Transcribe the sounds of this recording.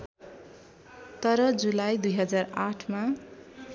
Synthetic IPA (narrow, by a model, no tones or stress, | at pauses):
t̪ʌɾʌd͡zulajd̪ujɦʌd͡zaraʈʰma